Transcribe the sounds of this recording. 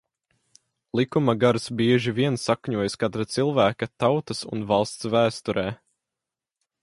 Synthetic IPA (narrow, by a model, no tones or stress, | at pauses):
lˠikumaɡaɾsbiɛʒiviɛnsakɲuɔjskat̪ɾat̪silˠvæːkat̪awt̪ɐsṵnvalˠst̪svæːst̪ɔɾɛː